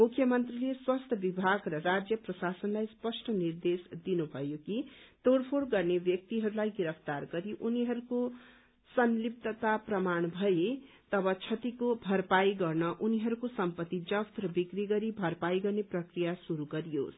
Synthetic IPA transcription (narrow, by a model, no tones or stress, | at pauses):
mukʰjʌmʌnt̪rileswʌst̪ʰʌbibʱaɡrʌrad͡zjʌprʌsasʌnlajspʌsʈʰʌnird̪esd̪inubʱʌjokit̪orpʰolɡʌrnebjʌk̚t̪iɦʌɾulajɡiɾʌpʰt̪arɡʌɾiʔuniɦʌɾuko | sʌnlip̚t̪ʌt̪aprʌmanbʱʌje | t̪ʌbʌt͡sʰʌt̪ikobʱʌɾpajɡʌrnʌʔuniɦʌɾukosʌmpʌt̪ːid͡zʌpt̪ɾʌbikriɡʌɾibʱʌrpajɡʌrneprʌkrijasuɾuɡʌɾijo̰s